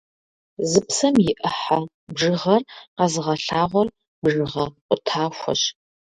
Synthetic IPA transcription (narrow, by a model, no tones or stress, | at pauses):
zɨpsɐmjɪʔɨħa | bʐɨʁɐrqɐzɨʁɐɬaːʁʷɔr | bʐɨʁɐqʷʊtʰaːɕʷɐ̰ɕ